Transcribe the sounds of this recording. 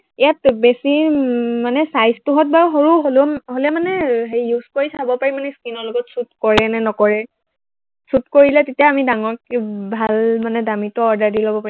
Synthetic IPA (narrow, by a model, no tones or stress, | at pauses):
ijatbesimanɛsajstuɦɔt̚baɹɦoɹuɦoloɦolɛmanɛɦejːuskoɹisabɔpaɹimanɛskinɔɹlɔɡɔtsut̚kɔɹɛnɛnɔkɔɹɛ | sutkoɹilɛtetijaːmidaŋɔɹkɛbʱalmanɛdamitɔɔɹdaɹdilobɔpaɹi